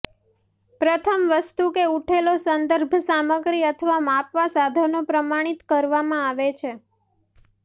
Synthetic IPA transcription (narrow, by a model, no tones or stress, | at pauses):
pɾət̪ʰəmʋəst̪ukeuʈʰelosənd̪əɾbʱsaməɡɾiət̪ʰəʋamapʋasad̪ʱanopɾəmaɽ̃it̪kəɾʋamãaʋet͡ʃʰe